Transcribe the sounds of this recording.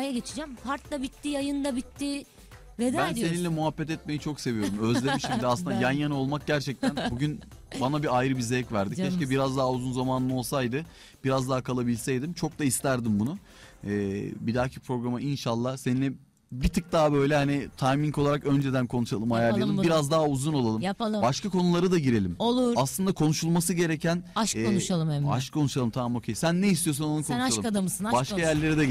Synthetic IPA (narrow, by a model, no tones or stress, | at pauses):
ajaɡe̞t͡ʃʰid͡ʒæmpʰaɾt̪lˠabit̪ːijajɯnd̪abit̪ːɪ | ved̪bænse̞ninlʲɛmuɦafːɛt̪ɛt̪̚me̞jit͡ʃʰo̞kse̞vijo̞ɾumø̞zlʲemiʃimd̪iaslɯnd̪ajanjanɯo̞lˠmak̚ɟæɾt͡ʃʰɛc̚t̪ʰænbuɟyn | banabiajɾɯbizɛcvæɾd̪icʰːɛʃcɛbiɾazd̪aɦːuzunzamaːnɯno̞lˠsajd̪ɯ | b̥iɾazd̪aɦːkʰalˠabilʲsɛjd̪imt͡ʃʰo̞k̚d̪aist̪ʰæɾd̪imbunʊ | ɛːbid̪aːcʰipʰɾo̞ɡɾamɯʔinʃalˠːahseninʲɛ | bit̪ʰɯk̚d̪aɦabø̞jlʲɛhanit̪ʰajmiŋko̞lˠaɾakønd͡ʒed̪ænkʰo̞nuʃalˠɯmhajaɾlˠajˠlˠɯmbiɾazd̪aɦauzuno̞lˠalˠɯmjapalˠɯbaʃkʰako̞nulˠaɾad̪aɟiɾe̞lʲimolˠuaslˠɯnd̪akʰo̞nuʃulˠmasɯɟe̞ɾecʰænaʃkɛonuʃalˠɯmeaʃkʰo̞nuʃalˠɯmt̪ʰamamocʰejsænːeist̪ʰijo̞sunonukʰonʃalˠɯad̪amɯssnbaʃkʰajæɾlʲe̞ɾid̪ɛ